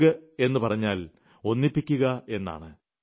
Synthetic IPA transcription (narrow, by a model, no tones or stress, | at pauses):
ɣɐe̞nːɨpɐrɐɲːaːl | o̞nːipːikʲːuɣɐe̞nːa̰ːɳɨ